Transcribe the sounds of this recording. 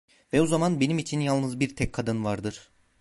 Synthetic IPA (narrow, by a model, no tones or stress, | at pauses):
vɛuzamanbe̞nimit͡ʃʰinjalˠnɯzbiɾt̪ʰɛkʰːad̪ɯnvaɾd̪ɯɾ̥